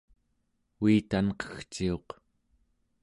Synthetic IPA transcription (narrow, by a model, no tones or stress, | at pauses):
uit̪anqʌ̥xt͡ʃio̞q